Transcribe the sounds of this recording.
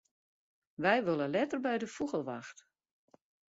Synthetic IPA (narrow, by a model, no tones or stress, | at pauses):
ʋɛjʋølˠəlɛtərbɛjdəfuɣəlˠʋaxt